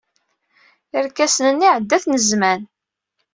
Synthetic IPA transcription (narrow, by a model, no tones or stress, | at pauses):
əɾkːæsnənːiʕəd̪ːæθnəzmæn